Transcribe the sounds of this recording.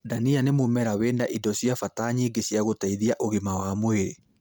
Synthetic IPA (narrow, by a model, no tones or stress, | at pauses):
danianemomɛɾaweːnaʔidɔsjafataːɲiɡesjaɣotaiðiaʔoɣimawamwe